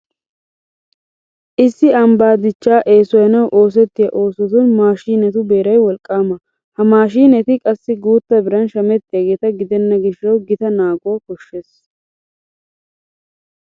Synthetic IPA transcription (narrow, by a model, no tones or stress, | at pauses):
ʔɪsːɪɐmbaːd̪ɪt͡ʃːaːʔe̞ːsɔjɐnɐwʔo̞ːs̬ɛt̪ːɪjɐʔo̞ːsɔt̪ʊnmaːʃiːnɛt̪ʊbe̞ːɾɐjwɔlkʼːaːmɐ | hɐmaːʃiːnɛt̪ɪkʼɐsːɪɡuːt̪ːɐbɪɾɐnʃɐmɛt̪ʼːɪɐɡeːt̪ɐɡɪd̪ɛnːɐɡɪʃːɐwɡɪt̪ɐnaːɡʊɐkɔʃːe̞ːs